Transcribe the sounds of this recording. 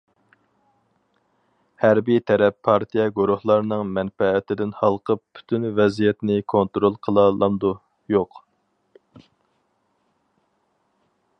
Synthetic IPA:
hæɾbijt̪ʰɛɾɛpʰːɑɾt̪ʰijɛɡuɾuhlˠɑɾnɨŋmɛnfɛːt̪ʰɪd̪ɪnhɑlˠqʰəp̚pʰy̥t̪ʰynvɛzijɛt̪nɪkʰont̪ɾolˠqʰəlˠɑlˠɑmd̪u | joq

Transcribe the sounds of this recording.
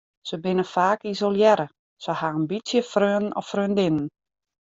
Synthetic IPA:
səbɪnəfaːkisolˠjɛɾə | səhaənbitsjəfrøːənənɔ̰frøːndɪnən

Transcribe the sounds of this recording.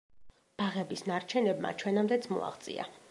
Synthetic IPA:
b̥aʁɛbisnaɾt͡ʃʰɛnɛbma̰t͡ʃʰwɛnamd̪ɛt̪sʰmṵa̰χt̪sʼḭa̰

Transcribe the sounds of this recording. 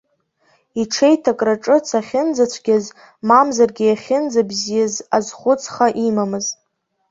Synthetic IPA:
iʈ͡ʂʰejtʰakʼraʈ͡ʂʼɨt͡sʰaχʲɪnd͡zat͡sʷʰɡʲaz | mamzarɡʲɪjaχʲɪnd͡zabzijazazχʷʊt͡sʼʰχaʔimamɨz

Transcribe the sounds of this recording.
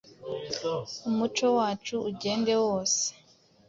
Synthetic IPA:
umut͡ʃo̞waːt͡ʃuːɟe̞ːnde̞woːse̥

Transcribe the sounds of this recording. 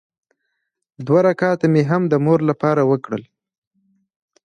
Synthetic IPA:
d̪waɾakɑt̪ameɦamd̪əmoɾlapɑɾawəkɽəl

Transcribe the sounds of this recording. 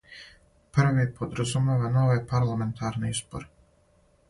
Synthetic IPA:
pr̩ʋipʰod̪ɾazumeːʋano̞ʋejpaɾlˠame̞nt̪ʰaɾneispo̰ɾe

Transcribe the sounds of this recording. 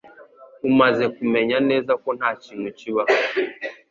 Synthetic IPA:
umazɛkumɛɲanɛzakɔn̥at͡ʃinut͡ʃiβa

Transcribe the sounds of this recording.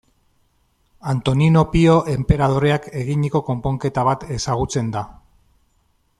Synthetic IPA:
ant̪o̞nino̞pio̞ʔe̞mpe̞ɾað̞o̞ɾe̞ake̞ɣiɲiko̞ko̞mpo̞ŋke̞t̪aβ̞at̪e̞saɣ̞ut͡se̞nd̪a

